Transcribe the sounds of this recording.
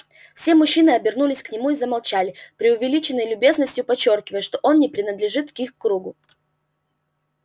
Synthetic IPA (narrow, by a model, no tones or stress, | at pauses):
fsʲe̞mʊɕːinɨɐbʲɪrnulʲɪsʲknʲɪmuizəmɐlˠt͡ɕælʲɪpɾʲɪʊvʲɪlʲit͡ɕɪnːəjlʲʊbʲe̞znəsʲtʲjʊpɐt͡ɕːo̞rkʲɪvəjəʂt̪o̞ʔo̞nnʲɪpɾʲɪnəd̪lʲɪʐɨt̪kixkːɾuɡʊ